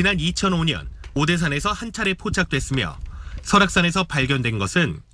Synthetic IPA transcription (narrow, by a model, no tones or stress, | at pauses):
t͡ɕinanit͡ɕʰʌnoɲʌ̰nodes̬ʰane̞sʰʌhant͡ɕʰaɾe̞pʰot͡ɕʰak̚t͈we̞s͈ɯmjʌ̰sʰʌɾak̚s͈ane̞s̬ʰʌpaɭɡjʌndwe̞nɡʌsʰɯn